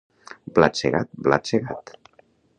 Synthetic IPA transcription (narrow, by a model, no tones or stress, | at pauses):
bla̰seɣat̪̚bla̰seɣat̪